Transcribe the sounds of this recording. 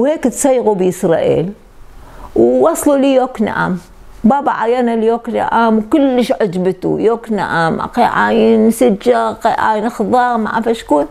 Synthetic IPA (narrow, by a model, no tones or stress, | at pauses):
wheːkt̪sajːɣubəsɾˤɑ̰ːʔḭːl | wwɑsˤlulijoːkna̰ʔa̰m | baːbaʕajanaljoːkna̰ʔamwkʊlːəʃʕad͡ʒbt̪ṵjoːkna̰ʔamʔa̰qeʕaːjənsad͡ʒːaqeʕa̰ːjənxðˤɑːɣma̰ʕafaʃkuːn